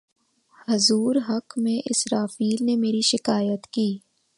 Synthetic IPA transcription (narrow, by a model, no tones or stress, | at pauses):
hɐzuːɾɦɐkmẽʔɪsɾaːfiːlnemeːɾiʃɪkaːjət̪kiː